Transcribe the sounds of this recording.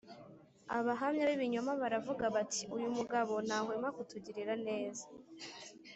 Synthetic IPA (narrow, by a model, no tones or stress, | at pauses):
a̰βaɦamɲaβiβiɲo̞maβaɾavuɡaβatʰi̥ujumuɡaβo̞n̥haːhwemakutuɟiɾiɾane̞ːza